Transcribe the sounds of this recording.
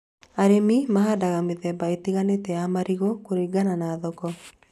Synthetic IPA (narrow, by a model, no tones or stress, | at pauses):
aɾemimaɦadaɣameðɛbaetiɣanetɛamaɾiɣɔkoɾiɡananaðɔkɔ